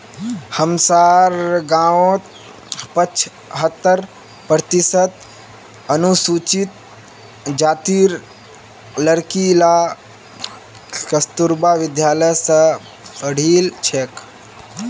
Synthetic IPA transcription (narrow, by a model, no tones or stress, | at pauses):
həmsaːɾɡãːʋõt̪ | pət͡ʃʰ | ɦət̪ːəɾ | pɾət̪isət̪̚ | ənusut͡ʃit̪̚ | d͡ʒaːt̪iːɾ | ləɾkila | kəst̪uɾbaʋɪd̪jaːləjsə | pəɽ̤iːlt͡ʃʰek